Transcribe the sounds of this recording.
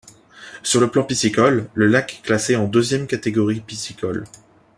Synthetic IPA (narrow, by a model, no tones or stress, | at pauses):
syʁləplɑ̃pisikɔlːəlakɛ̥kːlaseɑ̃d̪øzjɛmkat̪eɡɔʁipisikɔl